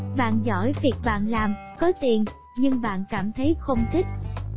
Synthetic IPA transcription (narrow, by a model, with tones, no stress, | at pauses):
ɓa̰ː˧˨nzɔ̰˧˩jvi˨˩ək̚ɓa̰ː˧˨nlaː˨˩mkɔ˨˦t̪i˨˩ən | ɲɨ˧ŋɓa̰ː˧˨nkaː˧˩mt̪ʰə˨˦jxə˧wŋ͡mt̪ʰï˦˥k̚